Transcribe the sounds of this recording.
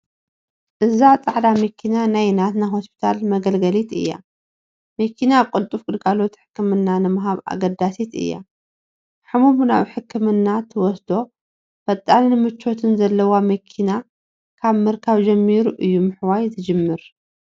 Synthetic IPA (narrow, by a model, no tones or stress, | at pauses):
ʔɨzat͡sʼaʕd̪amɐkʰːinanajnat̪najɦospʰi̥t̪ʰalmɐɡɐlɡɐlit̪ɨ̰jːa̰ | mɐkʰinakʼʊlt̪ʼufkʼɨd̪kʰalo̞t̪ħɨ̥kʰːɨmɨnːanɨmɨɦaβa̰ɡɐd̪asit̪ɨ̰jːa̰ | ħɨmumuna̰βħɨkʰːɨmɨnːat̪ʰɨwɔsd̪o̞ | fɐt̪ʼːannɨmɨt͡ʃːo̞t̪ʰɨnzɐlːɐwamɐkʰina | kʰaβmɨɾkʰaβd͡ʒɐmːiɾuʔɨjːumɨħwajzɨd͡ʒɨmːɨɾ